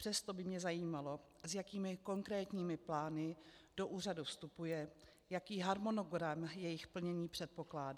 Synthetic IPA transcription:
pr̝̥ɛst̪o̞bɪmɲɛzajiːmalo̞ | zjakiːmɪko̞ŋkɾɛːt̪ɲiːmɪplaːnɪ | d̥o̞ʔuːradufst̪upujɛ | jakiːɦaɾmo̞no̞ɡɾamjɛjɪxpl̩ɲɛɲiːpr̝̥ɛt̪̚po̞klaːda

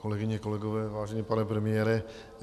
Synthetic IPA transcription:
kolɛɡɪɲɛkolɛɡovɛːvaːʒɛɲɛpanɛpɾɛmɪjɛːɾɛ

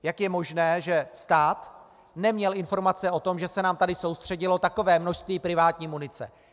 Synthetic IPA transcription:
jakjɛmo̞ʒnɛːʒɛst̪aːt̪ | nɛmɲɛlɪnfo̞ɾmat͡sɛo̞t̪o̞mʒɛsɛnaːmt̪adɪso̞wst̪r̝̥ɛɟɪlo̞t̪ako̞vɛːmno̞ʃst̪viːpɾɪvaːt̪ɲiːmunɪt͡sɛ̰

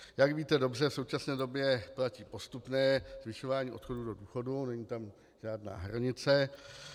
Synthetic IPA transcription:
jakviːt̪ɛdo̞br̝ɛfso̞wt͡ʃasnɛːdo̞bjɛplaciːpo̞st̪upnɛːzvɪʃo̞vaːɲiːʔo̞t̪xo̞duːdo̞duːxo̞dunɛɲiːt̪am | ʒ̥aːdna̰ːɦɾaɲɪt͡sɛ

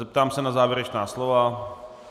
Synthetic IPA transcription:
ɛp̚t̪aːmsɛnazaːvjɛɾɛt͡ʃnaːslova

